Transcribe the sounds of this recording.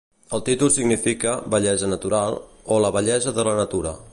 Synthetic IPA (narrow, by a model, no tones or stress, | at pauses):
əlˠt̪it̪ulˠsiɡnifikəbəʎɛzənət̪uɾalˠ | oləβəʎɛzəðələnət̪uɾə̰